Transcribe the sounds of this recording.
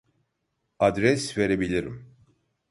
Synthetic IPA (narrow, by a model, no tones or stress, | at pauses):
ad̪ɾɛsveɾebilʲiɾḭm